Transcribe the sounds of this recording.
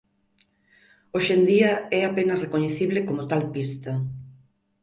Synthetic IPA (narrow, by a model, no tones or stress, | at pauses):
oʃend̪iɐɛapenɐrekoɲeθiβlɪkomʊt̪alpist̪ɐ